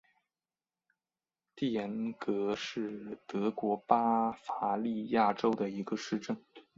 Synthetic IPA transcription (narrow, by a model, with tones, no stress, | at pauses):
t̪i˥˩jɛ˧˥nkɤ˧˥ʂɻ̩˥˩t̪ɤ˧˥kwɔ˧˥pa˥fa˧˥li˥˧ja˥˩ʈ͡ʂo˥ʊd̪ə˨i˧˥ɡə˧ʂɻ̩˥˧ʈ͡ʂə˥˩ŋ